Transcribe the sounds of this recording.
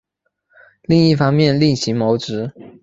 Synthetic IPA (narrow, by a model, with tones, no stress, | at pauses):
li˥˧ŋi˥˩fɑ˥ŋmjɛ˥˧nli˥˩ŋɕi˧˥ŋmo˧˥ʊʈ͡ʂɻ̩˧˥